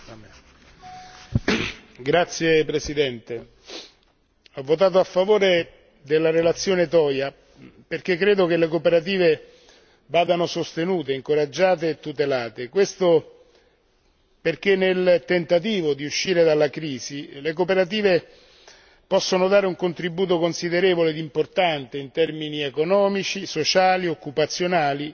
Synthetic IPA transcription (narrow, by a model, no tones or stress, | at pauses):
ɡɾat̪sːjepɾesid̪ɛnt̪e | ɔvːot̪̬aːt̪̬oafːavoːɾe | d̪elːaɾelat̪sːjoːnet̪ɔːja | perk̟ekːɾeːd̪ok̟elːekopeɾat̪̬iːve | vaːd̪anosost̪enuːt̪eiŋkoɾad͡ʒːaːt̪̬eːt̪ːut̪elaːt̪ekwest̪o | perk̟enːelt̪ent̪at̪̬iːvod̪iuʃːiːɾed̪alːakɾiːzilek̬opeɾat̪̬iːve | pɔsːonod̪aːɾeuŋkont̪ɾibuːt̪okonsid̪eɾeːvoled̪import̪ant̪eint̪ɛrminiekonɔːmit͡ʃisot͡ʃaːliokːupat̪sːjonaːli